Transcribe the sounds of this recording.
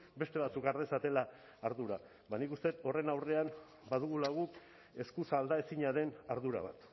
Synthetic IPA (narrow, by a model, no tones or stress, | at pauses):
be̞st̪e̞β̞at͡sukaɾð̞e̞sat̪e̞laː | ɾðuɾa | bajnikust̪e̞t̪o̞re̞nawre̞am | bað̞uɣulaɣ̞uk | e̞skusald̪ae̞siɲaðe̞naɾðuɾa̰β̞a̰t̪